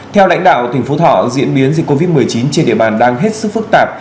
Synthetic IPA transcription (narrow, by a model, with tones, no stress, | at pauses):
t̪ʰɛ˧wla̰˧˥jŋɗa̰ː˧˨wt̪i˨˩ŋ̟fo˨˦t̪ʰɔ̰˧˨zḭ˧˥ənɓi˨˦ənzi˨˩kːo˧vi˦˥t̚mɨ˨˩əjt͡ɕi˨˦nt͡ɕe˧nɗḭ˧əɓaː˨˩nɗaː˧ŋɦe˦˥t̚sɨ˦˥k̚fɨ˦˥k̚t̪aː˨˩p̚